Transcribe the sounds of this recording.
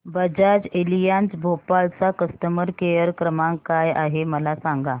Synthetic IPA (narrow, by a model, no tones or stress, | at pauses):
bəd͡ʑad͡ʑelijãnt͡sbʱopalt͡sakəst̪əməɾkejəɾkɾəmãŋkaja̰ɦeməlasaŋɡa